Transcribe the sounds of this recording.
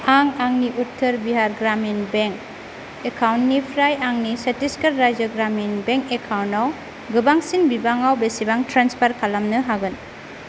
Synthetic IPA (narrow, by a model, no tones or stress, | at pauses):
aŋaŋniʔutʰːɯɾbiɦaɾɡɾaminbeŋk | ekʰawntnipʰɾajaŋnisɐtisketɾajd͡ʒəɡɾaminbeŋkekʰawntaw | ɡɯbaŋsinbibaŋawbesibaŋtɾanspʰaɾkʰalamnɯɦaɡɯn